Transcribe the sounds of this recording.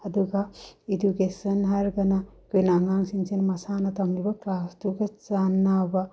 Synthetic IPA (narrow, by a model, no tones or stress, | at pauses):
ɐd̪uɡaedukesɐnɦaɾɡɐna | kujnaŋaŋsiŋsinmɐsanɐt̪ɐmlibɐklastuɡɐt͡ʃanːaba